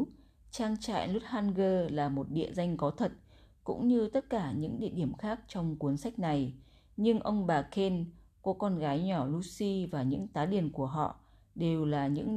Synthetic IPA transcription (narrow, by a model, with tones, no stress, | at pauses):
t͡ɕaː˧ŋt͡ɕa̰ː˧˨jlu˦˥t̚haː˧nɣəː˧laː˨˩mo˨˩t̚ɗḭ˧˨əza˧jŋ̟kɔ˨˦t̪ʰə˨˩t̚ | kʊ̰˧˥ŋ͡mɲɨ˧t̪ə˦˥t̚kaː˧˩ɲɨ̰˧˥ŋɗḭ˧˨əɗi˧˩əmxaː˦˥k̚t͡ɕɔ˧wŋ͡mku˨˦ənsa˦˥jk̟̚na˨˩j | ɲɨ˧ŋʔə˧wŋ͡mɓaː˨˩kʰe˧nkɔ˨˦kɔ˧nɣaː˨˦jɲɔ˧˩lu˧si˧vaː˨˩ɲɨ̰˧˥ŋt̪aː˨˦ɗi˧˩ənku˧˩əɦɔ̰˧˨ʔ | ɗe˨˩wlaː˨˩ɲɨ̰˧˥ŋ